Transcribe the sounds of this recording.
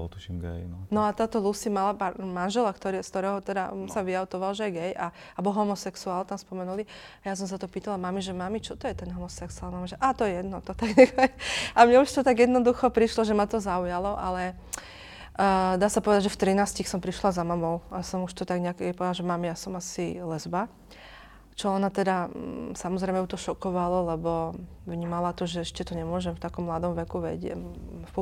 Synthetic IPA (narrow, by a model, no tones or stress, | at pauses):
t̪uʃimɡɛ̰jnɔnɔat̪aːt̪ɔlusimalapaɾmanʒɛlakt̪ɔɾiskt̪ɔɾɛːɦɔt̪ɛd̪a̰saʋiaʊt̪ɔʋalʒɛɛɡɛja | abɔlɦɔmɔsɛksuaːlt̪amspɔmɛnuli | ajas̬ɔms̬at̪ɔpiːt̪alamamiʒɛmamit͡ʃɔt̪ɔjɛt̪ɛnɦɔmɔsɛksualmamiʒɛʔaːt̪ɔjɛjɛd̪nɔt̪ɔt̪aɡnɛkaamɲɛuʃt̪ɔt̪aɡjɛd̪nɔd̪uxɔpɾiʃlɔʒɛmat̪ɔzaujalɔʔa̰lɛ | d̪aːsapɔʋɛd̪aɟʒɛft̪ɾinaːscixsɔmpɾiʃlazamamɔʊasɔmuʃt̪ɔt̪aɡɲɛakɛpɔʋɛd̪aʒɛmamijasɔmasilɛzba | t͡ʃɔɔnat̪ɛd̪asamɔzɾɛjmɛut̪ɔʃɔkɔʋalɔlɛbɔ | ʋɲiːmalat̪ɔʒɛɛʃcɛt̪ɔɲɛmʊɔʒɛmft̪akɔmːlad̪ɔmʋɛkuʋɛ̰ɟɛ̰f